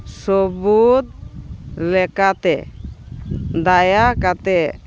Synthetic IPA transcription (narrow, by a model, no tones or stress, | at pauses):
sɔbut̪̚ | lɛkat̪ɛ | d̪ajakat̪ɛ